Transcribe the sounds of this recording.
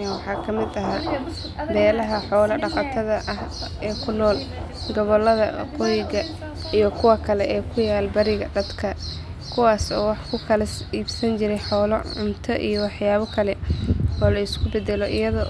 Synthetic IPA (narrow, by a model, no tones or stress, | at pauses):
nwɑħɑːkʰɐmɪd̪ɐɦaː | bɛːlɐɦɐħɔːlɐɖɑqɑt̪ʰɐðɐʔɐh | ɛːkʰʊnɔːl | ɡɔβɔlːɐðɐ̰qɔjɪɣɐ | ijɞkʰʊwɐkʰɐlɛʔɛːkʰʊjaːlbɐɾɪɣɐd̪ɐd̪kʰɐ | kʰʊwaːsɔːwɑħkʰʊkʰɐlɐsiːbsɐnt͡ʃɪɾɛjħɔːlɔʕʊmt̪ʰɔʔḭjɔwɑħjaːβɐkʰɐlɛɔːlɐɪskʰʊbɛd̪ɛlɔʔɪjɐðɔ